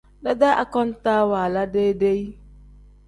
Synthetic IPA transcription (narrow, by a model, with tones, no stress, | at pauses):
da˦dɛ˦ʔa˨kɔ˦n˦taː˦wa˨la˦de˦de˦i˦